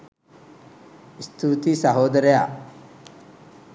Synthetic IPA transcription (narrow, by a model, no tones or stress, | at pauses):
ist̪ʰuːt̪isɐɦoːd̪ɐɾeja̰